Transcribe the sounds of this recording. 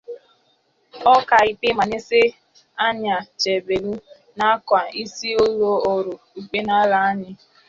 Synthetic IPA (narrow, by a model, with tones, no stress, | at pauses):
ɔ˦ka˨i˨k͡pɪ˦ma˨nɪ˦sɪ˦ | a˦ɲɪa˨t͡ʃe˨be˨lu˦ | na˦kʷa˨i˦si˦o˦lo˦o˨ɾʊ˨ | u˨k͡pe˦na˦la˦ɲɪ˦